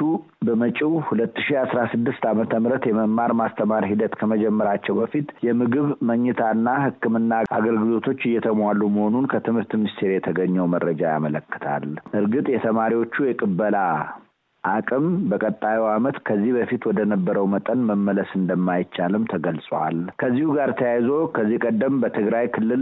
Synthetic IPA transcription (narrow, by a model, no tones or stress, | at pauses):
u | bəmət͡ʃʼiwhulət̪ːɨ̥ʃiasɾasɨd̪ːɨst̪amət̪ʰəmɨɾət̪jɛməmːaɾmast̪ʰəmaɾɦid̪ət̪kʰəməd͡ʒɛmːəɾat͡ʃːɛwbəfit̪jɛmɨɡɨβməɲːɛt̪ʰaɨnːahɨkːɨmɨnːaʔa̰ɡəlɡɨlo̞t̪ʰo̞t͡ʃːɨjːɛt̪ʰəmwalːuməho̞nunkʰət̪ʰɨmhɨɾt̪mɪmist̪ʰe̞ɾjɛt̪ʰəɡəɲːəwməɾːəd͡ʒaja̰mələkːɨ̥t̪ʰa̰lʔɨɾɡɨt̪ʼjɛt̪ʰəmaɾiwo̞t͡ʃːujɛkʼɨbːəla | ʔakʼɨmbəkʼət̪ʼːajiwamət̪kʰəzːihbəfit̪wɔd̪ənəbːəɾəwmət̪ʼənməmːələsɨnd̪əmːajt͡ʃːalɨmt̪ʰəɡəlsʼwa̰lkʰəzːihuɡaɾt̪ʰəjajzo̞kʰəzːihkʼəd̪ːəmbət̪ʰɨɡɾajkʰɨlːɨl